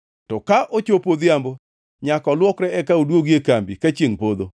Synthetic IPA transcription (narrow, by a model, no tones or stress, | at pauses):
tɔkaʔot͡ʃopod̪jambo | ɲakɔlwɔkɾɛɛkaudwoɡjekambikat͡ʃeŋpod̪o